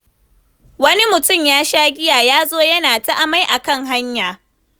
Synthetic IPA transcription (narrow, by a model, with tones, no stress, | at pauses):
wɐ˦ni˦mʊ˨tʊ˦˨mjaː˦ʃaː˦ɡʲɪ˦jaː˨jaː˦zoː˦jɐ˦naː˨ta˦ʔa˨ma˦jʔa˨kɐ˦˨ŋɦa˦ɲjaː˨